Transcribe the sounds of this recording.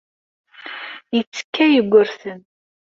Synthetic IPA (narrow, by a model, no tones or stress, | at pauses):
jət͡sːə̥kːæjəɡʷːʊɾθən